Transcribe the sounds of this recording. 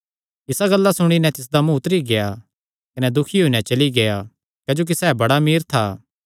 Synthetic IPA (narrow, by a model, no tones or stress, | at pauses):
ɪsaɡɐlːasʊɽ̃inɛ̃t̪ɪs̬d̪amũʊt̪ɾiɡeja | kɐnɛd̪ʊkʰiɦonɛ̃t͡ʃɐliɡeja | kɛːd͡ʒoːk̬isɛːbɐɽamiːɾt̪ʰaː